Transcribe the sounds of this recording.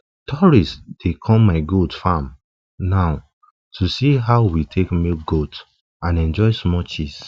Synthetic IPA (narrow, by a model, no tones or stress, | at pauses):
tʰɔɹistd̥ekʰɔ̃mmːaɪɡotfãm | naʊ | tʰusiɦaʊwitʰekmiɡot | ãnɛ̃nd͡ʒɔɪsmɔt͡ʃis